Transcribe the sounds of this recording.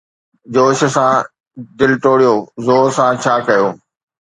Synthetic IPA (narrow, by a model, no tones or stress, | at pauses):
d͡ʑoːʃə̆sã | d̪ɪlʈoːɽijoːzoːsãt͡ɕʰaːkɐjoː